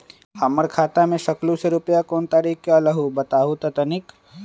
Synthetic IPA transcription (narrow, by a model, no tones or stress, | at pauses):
amːəɾkʰaːt̪amẽʃɐklũseɾʊpjakoːnt̪aːɾiːkkːjaːlɐɦubɐt̪aːɦut̪ɐt̪ɐnɪk